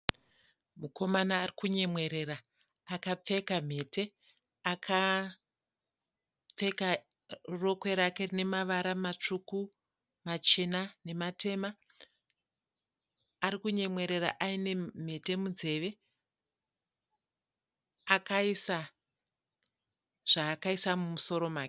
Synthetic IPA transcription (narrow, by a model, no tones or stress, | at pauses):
muko̞manaːrikuɲe̞mwe̞ɾe̞ɾaː | kap͡fe̞kam̤e̞te̞ | akʰa | p͡fe̞ka | ro̞kwe̞ɾake̞rine̞maʋaɾamat͡ʂuku | mat͡ʃenane̞matʰe̞ma | ɾikuɲe̞mwe̞ɾe̞ɾa̰ʔaine̞m̤e̞te̞muze̞ʋe̞ | akaisa | ʐ̥aːkaisamumuso̞ɾo̞maːke